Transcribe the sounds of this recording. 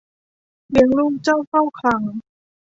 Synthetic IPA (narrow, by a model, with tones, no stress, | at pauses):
li˨˩˦əŋluː˥˩k̚t͡ɕa˥˩wkʰa˥˩wkʰla˧˦ŋ